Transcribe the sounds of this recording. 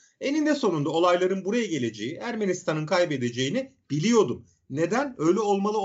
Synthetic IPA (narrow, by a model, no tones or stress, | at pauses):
e̞nind̪ɛso̞nund̪ao̞lˠajlˠaɾɯnbuɾajaɟe̞lʲe̞d͡ʒe̞jiʔæɾmenist̪ʰanɯnkʰajbe̞d̪e̞d͡ʒe̞jinib̥ilʲijo̞d̪um | ne̞d̪ænø̞jlʲɛo̞lˠmalˠɯ